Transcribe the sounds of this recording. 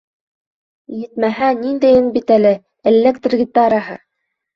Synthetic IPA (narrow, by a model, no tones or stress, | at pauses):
jɘ̆t̪mæɦænind̪æjɘ̆nbit̪ælɘ | ɘ̆lːɘkt̪̆rɡʲit̪ɑɾɑɦɤ̰